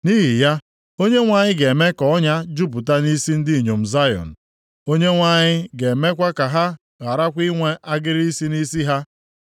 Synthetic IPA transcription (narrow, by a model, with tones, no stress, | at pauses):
ni˦ɦi˨ja˦ | o˦ɲe˦ŋʷa˨ɲɪ˦ɡe˨me˦kɔ˨ɔ˦ɲa˦d͡ʒu˦p̬ʊ˨ta˦ni˦si˦n̩˦dɪ˦i˨ɲo˨m̩˨za˦jɔ̰˨n̩˨ | o˦ɲe˦ŋʷa˨ɲɪ˦ɡe˨me˦kʷa˦ka˨ɦa˦ | ɣa˨ɾa˦kʷi˦ŋʷe˦a˦ɡɪ˦ɾi˦si˦ni˦si˦ɦa˦